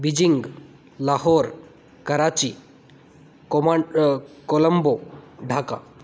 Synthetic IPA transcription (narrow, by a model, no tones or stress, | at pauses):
bid͡ʑiŋɡ | laɦɔɾ | kɐɾat͡ɕi | komakoləmboɖʱaka̰